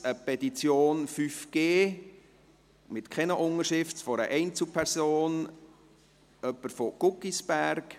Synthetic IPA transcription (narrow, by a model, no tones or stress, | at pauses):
əpɛtit͡sjoːnfyfɡ̥eː | mɪtkʰχɛnəʔʊŋəɾʃɪftfɔɾə̰ʔɛɪnt͡supʰɛɾsoːn | œpːəɾfoɡ̥ʊkːisb̥æɾk